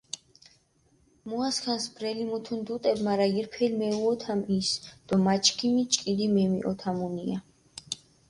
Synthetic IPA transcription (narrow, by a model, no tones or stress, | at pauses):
muaskʰansbɾɛlimut̪ʰund̪ut̪ʼɛbmaɾaiɾpʰɛlmɛuɔt̪ʰamisd̪̥ɔmat͡ʃʰkʰimit͡ʃʼkʼid̪imɛmḭʔɔt̪ʰamunia